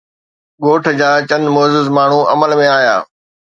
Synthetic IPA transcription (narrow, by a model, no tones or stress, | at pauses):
ɠoːʈʰd͡ʑaːt͡ɕɐ̃nd̪moːzʊzmaːɳ̤ũʔɐməlmẽaːja̰ː